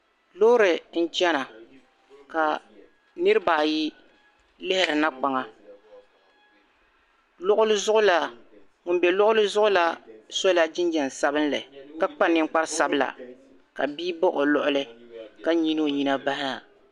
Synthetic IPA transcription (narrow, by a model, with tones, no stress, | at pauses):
lo˦ʊ˦ɾɨ˨n̩˦t͡ʃɛ˦na˨ | ka˨ | nɨ˦ɾbaː˨ji˦ | lɪ˦hɪ˨ɾɨ˨na˦k͡pa˨ŋa˨ | lʊ˦ʔʊ˦lɨ˦zʊ˦ʔʊ˦la˨ | ŋʊ˨nbɛ˨lʊ˦ʔʊ˦lɨ˦zʊ˦ʔʊ˦la˦so˦la˦d͡ʒɪ˦n˦d͡ʒɛ˨n˨sa˦bɨ˦n˦lɨ̰˨ka˦k͡pa˦nɪ˦ŋ̩˦k͡pa˦ɾsa˦bɨ˦la̰˨ | ka̰˨biː˦bɔ˦ʔo˨lɔ˦ʔʊ˦lɨ˦ka˦ɲi˦no˦˨ɲi˦na˦ba˦hɪ˦a˨